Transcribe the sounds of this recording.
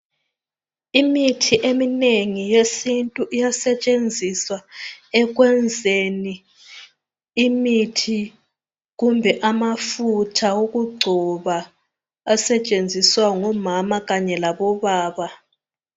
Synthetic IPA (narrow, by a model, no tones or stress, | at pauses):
imitʰiʔemineŋijesintʼuʔijasɛt͡ʃʼend͡zʱiswaɛɣ̬wɛnd͡zʱeni | mitʰi | ɣumbʱɛʔamafutʰaoɣuɡ͡ǀʱɔβaː | sɛt͡ʃʼend͡zʱiswaŋɔmamaɣaɲɛlaβɔβaːβa